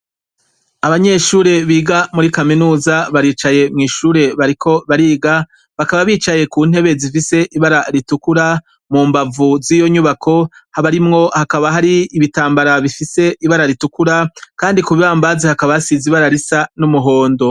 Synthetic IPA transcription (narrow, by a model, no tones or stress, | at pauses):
aβaɲe̞ʃuːɾe̞βiːɡamuɾikaminuːzaβaɾiːt͡ʃaje̞mŋiːʃuːɾe̞βaɾikʰo̞βaɾiːɡa | βakaβaβiːt͡ʃaje̞kuːn̥he̞βe̞zifise̞ʔiβaɾaɾitukuɾa | muːmbavuziːjo̞ɲuβakʰo̞haβaɾimŋo̞hakaβaɦaɾiːβitaːmbaɾaβifise̞iβaɾaɾitukuɾakaːndikuβiβaːmbazehakaβasiziβaɾaɾisanumuɦo̞ːndo̞